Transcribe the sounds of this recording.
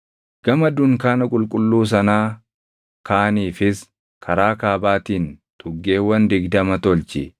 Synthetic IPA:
ɡ̥ɐmɐd̪ʊŋkaːnɐkʼʊlkʼʊlːuːs̬ɐnaː | kaːniːfɪs | kʰɐɾaːkaːbaːt̪iːnt̪ʼʊɡːe̞ːwːɐnd̪ɪɡd̪ɐmɐt̪ɔlt͡ʃɪ̰

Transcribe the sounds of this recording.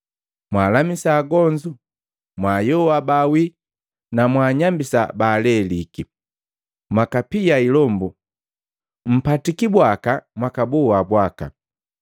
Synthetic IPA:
mwaːlamisaːɡɔɲd͡ʒu | mwaːjɔwabawi | namwaːɲambisa̰baːlɛliki | mwakapijailɔmbu | m̩patikibwakamwakabuwabwaka̰

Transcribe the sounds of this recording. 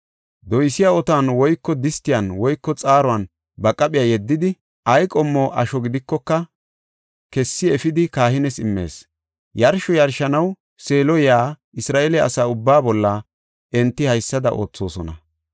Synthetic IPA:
d̪ɔjsɪjaɔt̪aːnwɔjkːɔd̪ɪst̪ɪjɐnwɔjkːɔt͡sʼaːɾɔɐn | bɐkʼːɐpʼɪjaːjɛd̪ːɪd̪ɪ | ʔɐjkʼɔmːɔʔɐʃɔɡɪd̪ɪkːɔkːɐ | kɛsːɪɛfɪd̪ɪkaːhɪnɛsɪmːe̞̰ːs | jɐɾʃɔjɐɾʃɐnɐw | seːlɔjaː | ɪsɾaːʔɛlɛɐ̰saːʊbːaːbɔlːɐ | ʔɛnt̪ːɪhɐjsːɐd̪ɐʔo̞̰ːt͡sːo̞ːsɔnɐ

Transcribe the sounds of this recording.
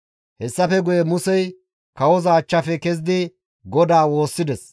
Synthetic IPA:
hɛsːɐfɛɡʊjɛmʊsɛj | kɐwɔzɐːt͡ʃːɐfɛkɛzd̪ɪ | ɡɔd̪aːwo̞ːsːɪd̪ɛs

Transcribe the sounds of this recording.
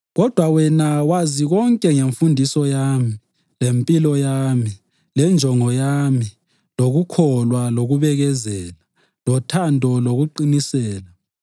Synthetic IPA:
ɣɔd̥ʱwawɛnawaziɣɔŋkʼɛŋeɱfundʱisɔjaːmi | lempʼilɔjaːmi | lɛnd͡ʒʱɔŋɔjami | loɣukʰɔlwaloɣuβɛɣɛzɛːla | lɔtʰandʱɔloɣuǃinisɛːla

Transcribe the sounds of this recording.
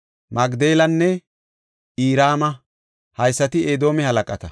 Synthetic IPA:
mɐɡd̪eːlɐnːɛ | ʔiːɾaːmɐ | hɐjsːɐt̪ɪeːd̪o̞ːmɛhɐlɐkʼɐt̪ɐ

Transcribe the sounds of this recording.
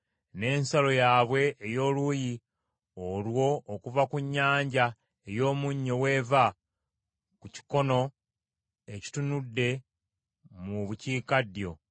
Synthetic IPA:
ne̞ːnsalo̞jaːβwe̞ːjo̞ːluji | olwo̞ːkuvakuɲːaːɲɟa | e̞jo̞ːmuɲːowe̞ːva | kuci̥ko̞no̞ | e̞ci̥tunudːe̞ | muβuciːkadjo̞

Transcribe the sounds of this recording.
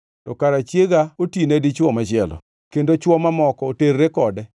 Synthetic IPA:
tɔkaɾat͡ʃjeɡaotinedit͡ʃwɔmat͡ʃɪɛlɔ̰ | kendot͡ʃwɔmamɔkɔoteɾːekɔdɛ

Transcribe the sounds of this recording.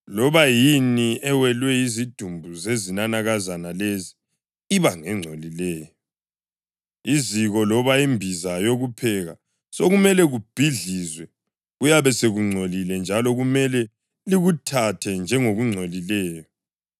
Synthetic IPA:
lɔβajiniɛwɛlwɛjizid̥ʱumbʱuzezinanaɣazanalezi | iβaŋɛŋ͡ǀʱolilɛːjɔ | iziɣɔlɔβaimbʱizajoɣupʰɛɣa̰ | soɣumɛlɛɣub̥ʱiɮizwɛ | ɣujaβɛseɣuŋ͡ǀʱolilɛnd͡ʒʱalɔɣumɛlɛ | liɣutʰatʰɛnd͡ʒʱɛŋoɣuŋ͡ǀʱolilɛːjɔ

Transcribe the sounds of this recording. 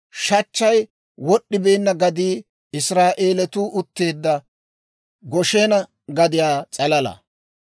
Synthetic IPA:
ʃɐt͡ʃːɐj | wɔɗːɪbe̞ːnːɐɡɐd̪iː | ɪsɾaːʔeːlɛt̪uːʔʊt̪ːe̞ːd̪ːɐ | ɡɔʃenɐ | ɡɐd̪ɪjaːt͡sʼɐlɐlɐ̰

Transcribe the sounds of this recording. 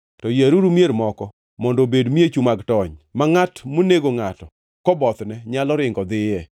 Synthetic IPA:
tɔjaɾuɾumjeɾmɔkɔ | mɔndobedmiet͡ʃumaɡtɔɲmaŋatmoneɡoŋatɔ | kɔbɔt̪nɛɲalɔɾɪŋɡɔd̪ɪjɛ

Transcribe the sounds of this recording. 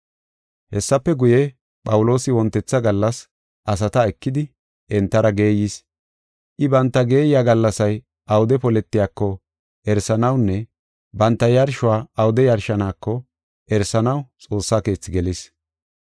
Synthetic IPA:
hɛsːɐpːɛɡʊjɛ | pʼɐwʊlo̞ːsɪwɔnt̪ːɛt͡sːɐɡɐlːɐs | ʔɐsɐt̪ɐɛkːɪd̪ɪ | ʔɛnt̪ːɐɾɐɡe̞ːjis | ʔɪbɐnt̪ːɐɡe̞ːjɪjaːɡɐlːɐsɐj | ʔɐwʊd̪ɛpɔlɛt̪ːɪjaːkːɔ | ʔɛɾsɐnɐwnːɛ | bɐnt̪ːɐjɐɾʃʊwaːɐwʊd̪ɛjɐɾʃɐnaːkːɔ | ɛɾsɐnɐwt͡sʼo̞ːsːaːke̞ːt͡sːɪɡɛlis

